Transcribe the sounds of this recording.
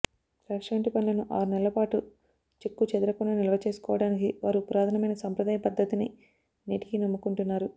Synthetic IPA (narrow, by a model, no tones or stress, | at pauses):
ɾaːʂʋɐɳʈipɐnlɐnuʔaːɾunɛlːɐpaːʈu | t͡ʃekːut͡ʃɛd̪uɾɐkunːaːnilɐʋɐt͡ʃe̞ːsu̥kɔːʋɐɽaːnikiʋaːɾupɾaːd̪ʰʱɐnɐmɐjnɐsɐmpɾɐd̪aːjɐpɐd̪ʱːɐt̪ini | niːʈi̥kinɐmːukuɳʈunːaːɾu